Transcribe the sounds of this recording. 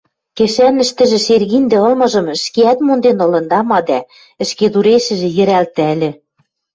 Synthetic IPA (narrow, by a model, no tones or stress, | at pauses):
keʃænɘ̆ʃt̪ɘ̆ʒĕʃerɣind̪ĕɤ̆lmɤ̆ʒɤ̆mɘ̆ʃkeæt̪mond̪enɤ̆lɤ̆nd̪ɑmɑd̪æ | ɘ̆ʃked̪uɾeʃɘ̆ʒĕjɘ̆ɾælt̪ælʲɘ̆